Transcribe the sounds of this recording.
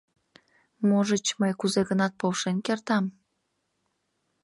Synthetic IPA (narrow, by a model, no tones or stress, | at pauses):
moʒət͡ɕməjkuzeɣənɑt̪̚powʃenkert̪ɑm